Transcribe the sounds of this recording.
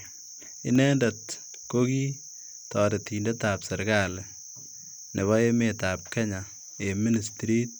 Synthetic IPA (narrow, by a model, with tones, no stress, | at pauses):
ɪ˦nɛ˦ndat | koki˦ | tɔː˨de˨tiːnde˦taːpsɛ˨ɾɡal | ne˨βɔ˦e˦meta˨p̚kɛ˦ɲa | emi˦nistɾi˦t̚